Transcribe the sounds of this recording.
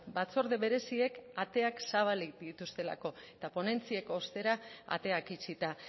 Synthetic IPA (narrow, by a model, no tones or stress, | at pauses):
bat͡so̞ɾðeβe̞ɾe̞sie̞kat̪e̞aksaβ̞alid̪it̪ust̪e̞la̰ko̞et̪apo̞ne̞nt͡sieko̞st̪e̞ɾaa̰t̪e̞akit͡ʃit̪a